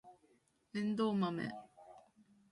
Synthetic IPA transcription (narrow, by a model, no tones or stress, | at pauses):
end̪omamḛ